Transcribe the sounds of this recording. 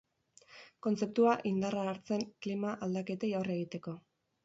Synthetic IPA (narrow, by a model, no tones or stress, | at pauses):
ko̞nt͡se̞p̚t̪uaʔind̪araːɾt͡se̞ŋklimaʔald̪ake̞t̪ejaore̞ɣit̪e̞ko̞